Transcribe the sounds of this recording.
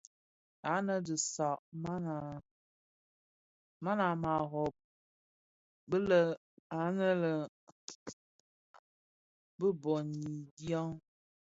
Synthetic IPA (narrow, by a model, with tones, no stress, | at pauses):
a˨˦nə˦dɨ˨sa˨ʔma˦na˨ | ma˦na˨ma˨ɦɔ˨p̚ | bə˦lə˨ | a˨˦nə˦lə˨ | bə˦bɔ˨ni˨dja˦ŋ